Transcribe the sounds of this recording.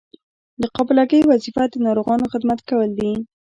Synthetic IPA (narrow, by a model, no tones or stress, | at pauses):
d̪əqɑblɑɡəjwazifad̪ənɑɾoɣɑnoxɪd̪mat̪kawəld̪i